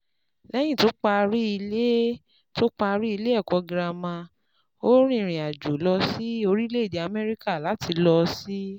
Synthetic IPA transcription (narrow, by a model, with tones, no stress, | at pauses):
lɛ˦j̃ĩ˦˨to˨˦k͡pa˧ɾi˦i˧le˦ | to˦k͡pa˧ɾi˦i˧le˦ɛ˦˨kɔ˨˧ɡɾa˧mã˧ | o˦ɾ̃ĩ˦˨ɾ̃ĩ˨a˨d͡ʒo˨˦lɔ˧si˦o˧ɾi˦le˦i˦˨de˨a˧mɛ˦ɾi˦ka˦˨la˨˦ti˧lɔ˧si˦